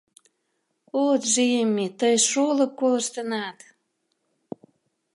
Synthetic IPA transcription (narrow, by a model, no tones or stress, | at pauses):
ot̪ʒijəmːet̪əjʃolə̆kːoləʃt̪ənɑt̪